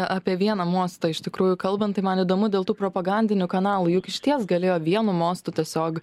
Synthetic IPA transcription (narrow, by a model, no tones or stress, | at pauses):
ʔɑpʲiɛʋʲiɛnɐmoːst̪ɐɪʃʲt̪ʲɪkɾuːjʊkɐlˠbɐnt̪ɐɪmɐnid̪oːmʊdʲeːlˠt̪uːpɾoːpɐɡɐnʲd̪ʲɪnʲʊkɐnɑːlˠuːjʊkɪʃʲt̪ʲiɛsɡɐlʲeːjoːʋʲiɛnʊmoːst̪ʊt̪ʲiɛsʲoːk